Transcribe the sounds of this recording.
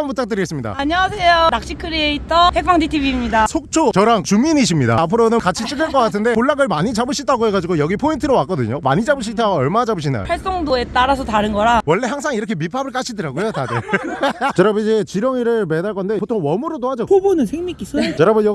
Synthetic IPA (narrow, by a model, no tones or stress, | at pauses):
mpot͡ɕ͈ak̚t͈ɯɾiɦes͈ɯmɲida̰aɲiwasʰe̞jonak̚ɕ͈ikʰɯɾieitʰʌhek̚p͈ʰaŋditʰibiːmɲidasʰok̚t͡ɕʰot͡ɕʌɾaŋt͡ɕuminiɕ̬ʰimɲida̰ːpʰɯɾonɯnkat͡ɕʰit͡ɕ͈ɯkɯɭk͈ʌk͈atʰɯnde̞oɭːaɡɯɭmaɲit͡ɕabɯɕʰit͈ʰaɡoɦe̞ɡad͡ʑiɡojʌɡipʰointʰɯɾowak͈ʌdɯɲoma̰ɲid͡ʑabɯɕ̬ʰitʰaʌɭmad͡ʑabɯɕ̬ʰinda̰o̰ɸaɭs͈oŋdoe̞t͈aɾasʰʌtaɾɯnɡʌɾawʌɭːe̞haŋsʰaŋiɾʌkʰe̞mipʰabɯɭk͈aɕʰidɯɾaɡojotadɯ | t͡ɕʌɾʌbid͡ʑet͡ɕiɾjʌŋiɾɯɭmedaɭk͈ʌnde̞potʰoŋwʌmuɾotoɦad͡ʑopobonɯnsʰeŋmik͈isʰʌt͡ɕʌɾabɯjʌ